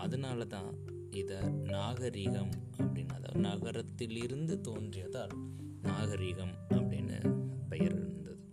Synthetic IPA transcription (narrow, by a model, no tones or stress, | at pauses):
ɐðɐnaːlɐt̪ã̰ː | ɪðɐnaːɣɐɾɪɣɐm | ɐpːɐɽɪnɐ̰ðɐ̰nɐɣɐɾɐt̪ːɪlɪɾɯnd̪ɯt̪oːndrɪjɐðaːl | naːɣɐɾɪɣɐm | ɐpːɐɽɪnːɯ̰pɛjɐɾɪ̰ɾɯnd̪ɐðɯ